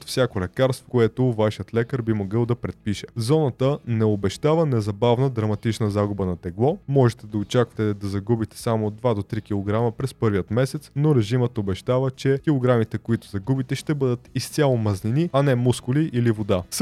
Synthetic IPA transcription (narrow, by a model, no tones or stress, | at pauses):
t̪fsʲakolɛkaɾst̪vo̥koɛt̪ovaʃijət̪lɛkəɾbimoɡɤlˠd̪ɐpɾɛt̪̚piʃɛzɔnət̪ənɛobɛʃt̪avənɛzɐbavnəd̪ɾɐmɐt̪it͡ʃnəzaɡʊbənɐt̪ɛɡlˠɔmɔʒɛt̪ɛd̪ɐot͡ʃakvɐ̥t̪ɛd̪ɐzɐɡubit̪ɛ̥samod̪vad̪ot̪ɾik̟ilˠoɡɾaməpɾɛspɤɾvijət̪mɛsɛt̪snoɾɛʒimət̪obɛʃt̪avət͡ʃɛkʲilˠoɡɾamit̪ɛkoit̪ʊ̥zɐɡubit̪ɛʃt̪ɛbɤd̪ət̪ist̪sʲalˠomɐzniniɐnɛmuskʊliʔilivod̪as